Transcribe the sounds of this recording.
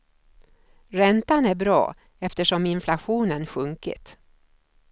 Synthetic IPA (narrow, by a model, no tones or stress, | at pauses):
ɾɛnt̪anæɾbɾɑ̰ː | ɛft̪əʂɔmɪnflaɧuːnənɧɵŋkɪ̰t̪